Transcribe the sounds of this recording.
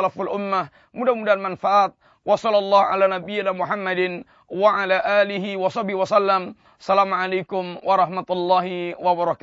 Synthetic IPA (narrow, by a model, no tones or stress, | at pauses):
lafalʔʊmːa | mʊdamudalmanfaʔaːt̪̚ | wɑsˤɑlːɑlˤːɑːhʕa̰laːnabɪjːɪnaːmʊħamːad̪ɪn | waʕalaːʔaːlɪɦɪwɑsˤɑbiwɑsˤalːam | sˤalaːmʊʕalajkʊmwɑɾˤɑħmat̪ʊlˤːɑːhɪwɑbɑɾˤɑkː